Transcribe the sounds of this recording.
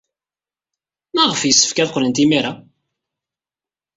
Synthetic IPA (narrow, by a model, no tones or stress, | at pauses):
mæʁəfjəsːə̥fkæðqʷːlənt̪imiɾa